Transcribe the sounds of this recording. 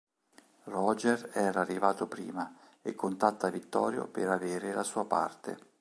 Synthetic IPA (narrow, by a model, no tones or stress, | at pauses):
rɔd͡ʒerɛːɾaːrːivaːt̪opɾḭːma | ekʰːont̪at̪ːavit̪ːɔ̰ːɾjo̰peɾaveːɾelasuːapa̰rt̪ḛ